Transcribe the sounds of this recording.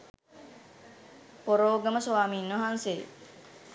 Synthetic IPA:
poɾoːɡɐməsoʋaːmiːnʋɐɦanse

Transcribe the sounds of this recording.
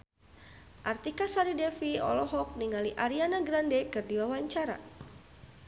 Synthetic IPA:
ʔart̪ikasaɾidɛfiɔ̰lɔɦɔk̚niŋaliʔaɾianaɡɾandekɨrdiwawaɲt͡ʃaɾa̰

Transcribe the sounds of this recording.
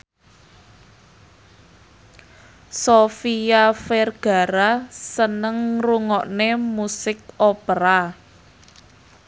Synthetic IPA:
sofijafɛrɡ̥a̤ɾasənəŋruŋɔʔnemusɪk̚opəɾa

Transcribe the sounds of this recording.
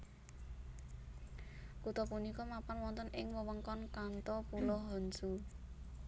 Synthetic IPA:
kut̪ɔpunikɔmapanwɔnt̪ənʔɪŋwəwəŋkɔnkant̪ɔpulɔɦɔnd͡ʒu

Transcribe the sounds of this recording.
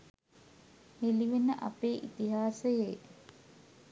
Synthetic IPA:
heliʋenːəʔa̰peːʔit̪iɦaːsəje

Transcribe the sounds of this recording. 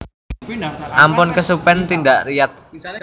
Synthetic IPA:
ʔampʊnkəsupɛnt̪indaʔrijat̪̚

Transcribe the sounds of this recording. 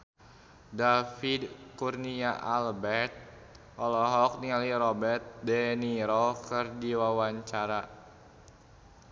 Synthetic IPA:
dafidkurniaʔalbɛrt̪̚ | ʔɔlɔɦɔk̚nialiɾɔbɛrt̪̚dɛniɾɔkɨrdiwawaɲt͡ʃaɾa

